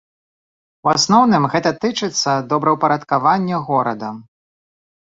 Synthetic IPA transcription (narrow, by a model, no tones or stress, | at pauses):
wasnɔwnɨmɣɛt̪ɐt̪ɨt͡ʂɨt̪sːɐd̪ɔbɾɐwpɐɾɐt̪kavanʲːɛɣɔɾɐd̪ɐ